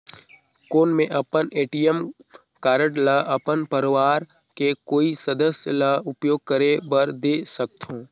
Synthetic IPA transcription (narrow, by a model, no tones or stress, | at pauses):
koːnmẽʔɐpəneːʈijəm | kaːɾəɽlaʔɐpənpəɾɪʋaːɾ | kekoːisəd̪əsjəlaʊpjoːɡ̚kəɾebəɾd̪eːsək̚t̪ʰõː